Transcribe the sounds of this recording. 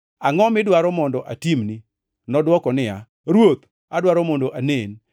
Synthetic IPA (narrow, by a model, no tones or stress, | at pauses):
aŋɔmɪdwaɾɔmɔndɔʔatimni | nɔdwɔkɔnɪa | ɾwot̪ | adwaɾɔmɔndoʔanen